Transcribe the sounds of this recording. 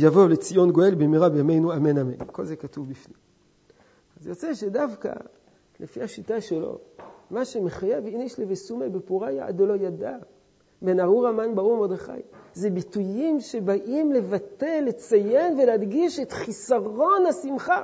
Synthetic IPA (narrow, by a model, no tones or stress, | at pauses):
javo̞let͡sijo̞nɡo̞e̞lbemiʁabejame̞jnuame̞name̞̰nko̞lzekatuvbifnim | azjo̞t͡se̞ʃe̞davka̰ | lefihaʃitaʃelo̞̰maʃemeχajeviniʃlevesumebepuʁaja̰a̰dolo̞jada | be̞naʁuʁamanbaʁuʁmod̪eχa̰jzebitujimʃe̞baʔimle̞vate̞lːet͡saje̞nveleadɡiʃet̪χisaʁo̞nasimχa